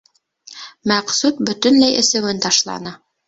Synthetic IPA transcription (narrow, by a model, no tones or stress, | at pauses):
mæqsut̪̚bɵ̆t̪ɵ̆nlæjʔɘ̰̆sɘ̆wɘnt̪ɑʃlˠɑ̰nɤ